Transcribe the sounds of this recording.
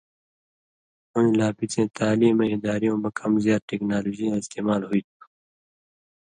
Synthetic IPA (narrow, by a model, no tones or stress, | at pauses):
ʊnlaːpit͡sẽːt̪aːliːmẽɪd̪aːɾijõːmɐkʰʌmzjaːd̪̚ʈeːknaːloːd͡ʑijãɪst̪eːmaːlɦuiːt̪ʰu̥